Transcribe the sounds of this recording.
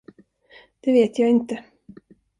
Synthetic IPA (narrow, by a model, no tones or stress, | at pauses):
d̪̥ɛveːt̪ʰjɑːɪnt̪ə